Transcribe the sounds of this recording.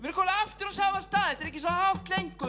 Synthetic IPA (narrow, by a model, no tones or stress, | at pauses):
vɪɾkʰɔːlaft̪ɪɾasaːvast̪aːðɛt̪ɛɾɛhcɪs̬ɔnaawht̪lejŋkʏ